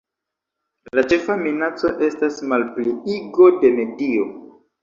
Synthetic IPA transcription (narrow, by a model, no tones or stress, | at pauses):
lat͡ʃe̞faminat͡so̞ʔe̞stasmalpliiɡo̞de̞me̞dio̞